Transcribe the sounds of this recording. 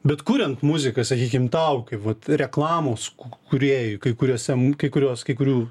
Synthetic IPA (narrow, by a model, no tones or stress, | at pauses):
bʲɛt̪kʊɾʲɛnt̪mʊzʲɪkɐsɐkʲiːkʲɪmt̪ɐʊkʲɐʋɐt̪ɾʲɛklˠɑːmoːskʊkʊɾʲeːjʊkɐɪkʊɾʲoːsʲɛmkɐɪkʊɾʲoːskɐɪkʊɾʲuː